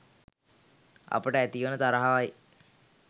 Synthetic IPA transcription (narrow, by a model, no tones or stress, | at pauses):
a̰pəʈəæt̪iʋənət̪aɾaɦaʋaj